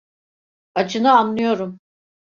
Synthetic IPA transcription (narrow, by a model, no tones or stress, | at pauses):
at͡ʃʰɯnɯanlɯjo̞ɾum